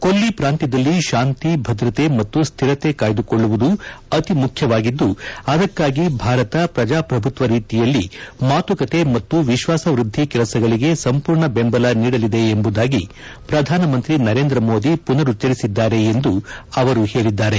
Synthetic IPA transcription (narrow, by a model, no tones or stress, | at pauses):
kolːipɾaːnt̪id̪ɐlːiʃaːnt̪ibʱɐd̪ɾɐt̪e̞mɐt̪ːust̪ʰiɾɐt̪e̞kaːjd̪uko̞ɭːuʋud̪uɐt̪imukʰjɐʋaːɡid̪ːuɐd̪ɐkːaːɡibʱaːɾɐt̪ɐpɾɐd͡ʒaːpɾɐbʱut̪ʋɐɾiːt̪ijɐlːimaːt̪ukɐt̪e̞mɐt̪ːuʋiʃʋaːsɐʋɾud̪ʱːikɛlɐsɐɡɐɭiɡe̞sɐmpuːɾɳɐbembɐlaniːɽɐlid̪e̞ːmbud̪aːɡi | pɾɐd̪ʱaːnɐmɐnt̪ɾinɐɾe̞ːnd̪ɾɐmoːd̪ipunɐɾut͡ʃɐɾisid̪ːaːɾe̞ːnd̪uɐʋɐɾuhe̞ːɭid̪ːaːɾe̞